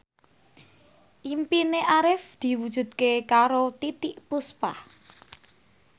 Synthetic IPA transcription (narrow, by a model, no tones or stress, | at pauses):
ʔimpineʔaɾɪfd̪̥i̤wud̥ʒ̥ṳd̪̥̚kekaɾot̪it̪iʔpuspa̰h